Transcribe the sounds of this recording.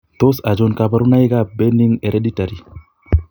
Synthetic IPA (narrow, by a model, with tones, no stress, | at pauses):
t̪o˦sa˨d͡ʒonka˨ba˦ɾu˦na˦i˦ɡabe˦ni˦ŋe˨ɾedi˦taɾi˨